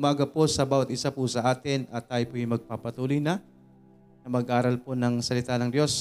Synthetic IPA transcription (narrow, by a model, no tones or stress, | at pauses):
ʊmaːɡɐpo̞sɐbaːwɐt̪ʔɪsapʊsɐʔaːt̪ɪnʔɐt̪ːaːjɪpʊjʊŋmɐɡ̚papɐt̪uːlojnɐ | nɐmɐɡʔaːɾɐlponɐŋsɐlɪt̪aːnɐŋd̪jo̞s